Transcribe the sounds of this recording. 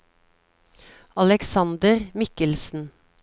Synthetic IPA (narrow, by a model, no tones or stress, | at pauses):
ɑlɛksɑnd̪əʁmɪkəlsn̩